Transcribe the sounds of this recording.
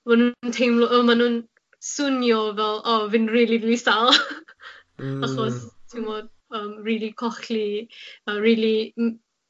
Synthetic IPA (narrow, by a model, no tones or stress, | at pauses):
manuntʰejmlˠɔʔɔmanuːn | sʊnjɔvɛlˠɔvɪnriːlˠivisalˠ | aχɔstʰimvɔːd̥ | əːmriːlˠikʰɔχliəriːlˠi